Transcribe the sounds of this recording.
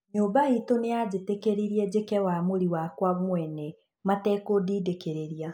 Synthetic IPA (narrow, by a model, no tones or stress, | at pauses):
ɲoːbaitonead͡ʑetekeɾiɾiɛd͡ʑekɛwamoɾiwakwamwɛnɛ | matɛkodiːdekeɾeɾia